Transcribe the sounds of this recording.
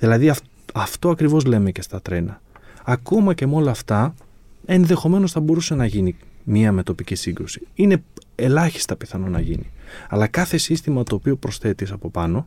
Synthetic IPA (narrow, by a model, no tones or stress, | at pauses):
ðilɐðiɐf | ɐft̪o̞ɐkɾivo̞zle̞me̞ce̞st̪ɐt̪ɾe̞nɐː | ko̞mɐce̞meo̞lɐːft̪ɐ | e̞nðe̞xo̞me̞no̞sθɐbo̞ɾuse̞nɐʝinimiɐme̞t̪o̞picisiŋɡɾusi̥ine̞e̞lɐçi̥st̪ɐpiθɐno̞nɐʝiniɐlɐkɐθe̞sist̪imɐt̪o̞ːpio̞pɾo̞sθe̞t̪isɐpo̞pɐno̞